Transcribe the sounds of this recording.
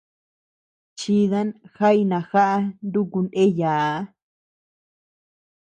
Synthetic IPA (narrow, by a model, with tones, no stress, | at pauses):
t͡ʃi˧ða˦nxa˦i˧nã˨xa˦ʔa˦˧nd̪u˦ku˧ndẽ˦ja˨˦